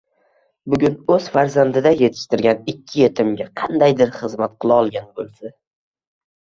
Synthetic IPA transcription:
bʊɡʲʊnɵz̥faɾzand̪ɪd̪aje̞t̪ʰɪ̥ʃt̪ɪɾɡʲanɪkʲʰːɪje̞t̪ʰɪmɡʲaqʰɑnd̪ajd̪ɪɾχɨzmat̪̚qʰɨlˠɪɒlˠɡʲanbolˠsa

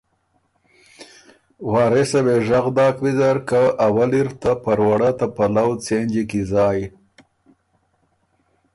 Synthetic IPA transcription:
wɑːɾesaweʒaɣd̪ɑːkwizaɾkaʔawaliɾt̪apaɾwaɽat̪apalawt͡send͡ʒikizɑːj

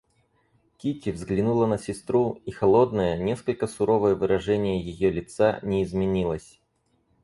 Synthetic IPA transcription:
kʲitʲɪvzɡlʲɪnulˠənəsʲɪst̪ɾuixɐlˠo̞d̪nəjənʲe̞skəlʲkəsʊɾo̞vəjəvɨɾɐʐɛnʲɪjəjɪjolʲɪt̪sanʲɪɪzmʲɪnʲilˠəsʲ

